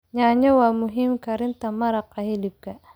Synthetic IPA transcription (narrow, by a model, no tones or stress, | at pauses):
ɲaːɲɐwaːmʊɦiːmkʰɐɾɪnt̪ɐmɐɾɐqɐhɛlɪb̚kʰɐ